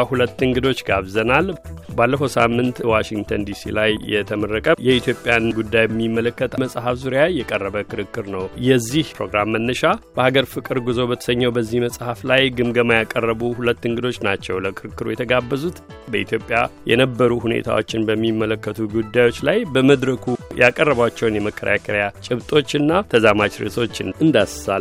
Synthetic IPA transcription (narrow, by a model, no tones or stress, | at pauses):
hulət̪ːɨŋɡɨd̪o̞t͡ʃːɡaβzənalbalːəfəwsa̰mːɨnt̪waʃiŋɡt̪ʰənd̪isḭlajːɛt̪ʰəmərːəkʼəjɛit̪ʰjo̞pʼjanɡud̪ːajbəmːimːələkːət̪ʰməsʼɦafzuɾjajːɛkʼərːəβəkʰɨɾɨkːɨɾnəwjɛzːihpʰɾo̞ɡɾamːənːəʃab̥əhaɡəɾfɨkʼɨɾɡuzo̞bət̪ʰə̥səɲːəwbəzːihməsʼhaflajɡɨmɡəmajakʼərːəβuhulət̪ːɨŋɡɨd̪o̞t͡ʃːnat͡ʃːɛwləkʰɨɾɨkːɨɾujɛt̪ʰəɡabːəzut̪ | bəʔit̪ʰjo̞pʼja̰jɛ̰nəbːəɾuhunḛt̪ʰa̰wo̞̰t͡ʃːɪnbəmːimːələkːət̪ʰuɡud̪ːajo̞t͡ʃːlajbəməd̪ɾəkʰujakʼərːəβat͡ʃːɛwnjɛməkːəɾjakʰəɾəjat͡ʃʼɪβt̪ʼo̞t͡ʃːɨnːat̪ʰəzamat͡ʃɾḛso̞t͡ʃːɪnɨnd̪asə̥sal